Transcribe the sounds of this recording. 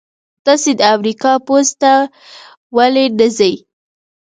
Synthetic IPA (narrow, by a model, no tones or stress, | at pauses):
t̪ɑsed̪əamɾikɑpost̪a | waleɖəzəj